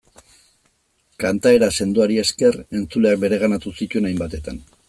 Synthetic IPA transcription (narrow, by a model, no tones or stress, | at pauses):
kant̪ae̞ɾase̞nd̪uaɾie̞ske̞re̞nt͡sule̞ak̚be̞ɾe̞ɣ̞anat̪usit̪ue̞najmbat̪e̞t̪an